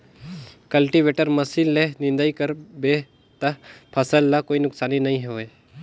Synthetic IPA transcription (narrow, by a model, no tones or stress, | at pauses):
kɐlʈiʋeːʈəɾmɐsilːenɪ̃nd̪aːikəɾbe | t̪ɐpʰɐsəlːakoːinʊksaːninɐɦĩɦoe